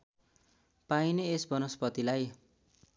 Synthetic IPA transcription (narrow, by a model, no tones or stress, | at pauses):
paineesbʌnʌspʌt̪ilaj